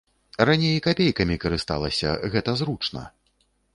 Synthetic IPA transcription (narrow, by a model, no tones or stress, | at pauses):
ranʲejkapʲejkɐmʲikɐɾɨst̪a̰lˠɐsʲɐ̰ɣɛt̪ɐzɾut͡ʂnɐ̰